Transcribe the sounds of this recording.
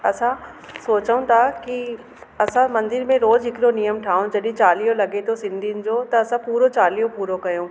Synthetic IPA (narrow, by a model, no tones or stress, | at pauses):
ɐsã | soːt͡ɕəũt̪ʰaki | ɐsãmɐ̃nd̪ɪɾmẽɾoːzɦɪkɪɗonijəmʈʰaːũd͡ʑɐɗɪ̃t͡ɕaːlijolɐɡet̪ʰosɪ̃nd̪ʱijʊnɪ̆d͡ʑoːt̪ɐɐsãpuːɾot͡ɕaːlijõpuːɾokɐjõː